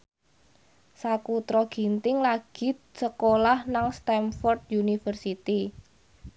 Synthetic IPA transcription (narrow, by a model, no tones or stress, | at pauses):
sakut̪ɾɔɡ̥i̤nt̪ɪŋlaɡ̥i̤səkolahnaŋst̪ɛmfɔrd̪̚junifərsit̪i